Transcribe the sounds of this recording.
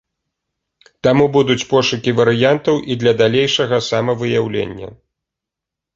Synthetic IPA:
t̪amubud̪ut͡sʲpɔʂukʲivɐɾɨjant̪ɐwʔid̪lʲɐd̪alʲejʂɐɣɐsamɐvɨjawlʲḛnʲːɐ̰

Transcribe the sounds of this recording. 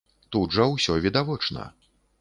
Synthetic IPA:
t̪ud̪ʐɐwsʲɔvʲid̪avɔt͡ʂnɐ̰

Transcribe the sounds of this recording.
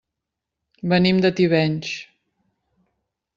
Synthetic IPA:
bənimd̪ət̪iβɛɲʲt͡ʃ

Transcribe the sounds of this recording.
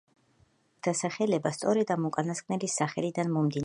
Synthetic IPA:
d̪̥asaχɛlɛbast̪sʼɔɾɛd̪amukʼanaskʼnɛlisaχɛlid̪anmɔmd̪in

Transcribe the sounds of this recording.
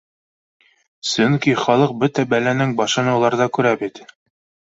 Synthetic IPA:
sɵŋkiχɒlˠɤq̚bɵt̪æbælænɘŋbɑʃɤ̆nɤ̆wlˠɑɾd̪ɑkʉɾæbit̪

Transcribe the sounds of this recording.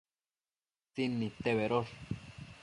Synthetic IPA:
t͡sinːĩt̪eβeɾoɾ

